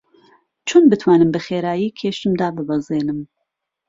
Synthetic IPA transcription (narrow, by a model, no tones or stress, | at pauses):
t͡ʃʰoːnbɨt̪ʰwaːnɨmbɨxeːɾaːjiːkʰeːʃɨmd̪aːbɨbɐzeːnɨm